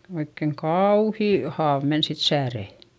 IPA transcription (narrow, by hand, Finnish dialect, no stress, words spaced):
oikːeŋ kɑuːhiˑ hɑːʋ men sit sæːreˑ